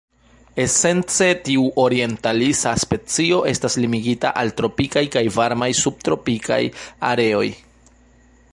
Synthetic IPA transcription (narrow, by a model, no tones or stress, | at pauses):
e̞se̞nt͡se̞tiuʔo̞ɾie̞ntalisaspe̞t͡sio̞ʔe̞staslimiɡitaʔaltɾo̞pikajkajvaɾmajsub̥̚tɾo̞pikʰa̰ja̰ɾe̞o̞j